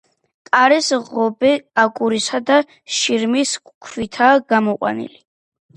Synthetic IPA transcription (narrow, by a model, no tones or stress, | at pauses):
kʼaɾɛsʁɔbɛakʼuɾisad̪a | ʃiɾmiskkʰwit̪ʰaːɡ̥amɔqʼwa̰nḭli